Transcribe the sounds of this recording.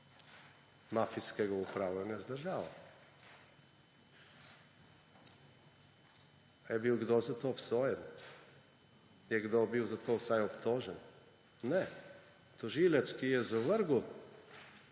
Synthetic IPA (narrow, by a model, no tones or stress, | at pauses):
mafiskɛɡɔupɾavlɛnɛzd̪əɾʒavɐ̰ | ɛbilɡd̪ɔzat̪ɔpsɔjɛn | ɛɡd̪ɔbiwˠzat̪ɔsajopt̪ɔʒɛn | nɛ | t̪oʒilɛskijɛzavəɾɡɔ